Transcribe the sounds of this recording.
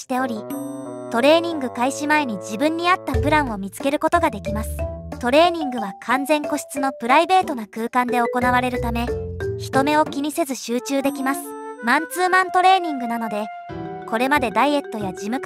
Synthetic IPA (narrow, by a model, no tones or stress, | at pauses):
i̥t̪e̞o̞ɾʲit̪o̞ɾe̞ːɲ̟ĩŋɡɯ̟kaiɕimae̞ɲ̟id͡ʑibɯ̟̃ɲ̟ːiat̪ːapɯ̟ɾãɰ̃o̞mʲit͡sɨ̥ke̞ɾɯ̟ko̞t̪o̞ɡad̪e̞kʲimasɨ̥t̪o̞ɾe̞ːɲ̟ĩŋɡɯ̟βakʰãnd͡zẽ̞ŋko̞ɕi̥t͡sɨno̞pɯ̟ɾaibe̞ːt̪o̞nakɯ̟ːkãnd̪e̞oko̞naβaɾe̞ɾɯ̟t̪ame̞çi̥t̪o̞me̞o̞kʲiɲ̟ise̞zɨɕɨːt͡ɕɨːd̪e̞kʲimasɨ̥mãnt͡sɨːmãnt̪o̞ɾe̞ːɲ̟ĩŋɡɯ̟nano̞d̪e̞ | ko̞ɾe̞mad̪e̞d̪aie̞t̪ːo̞jad͡ʑimɯ̟k